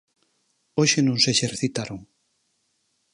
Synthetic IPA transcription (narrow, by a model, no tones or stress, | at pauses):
oʃenõŋseʃeɾθit̪aɾoŋ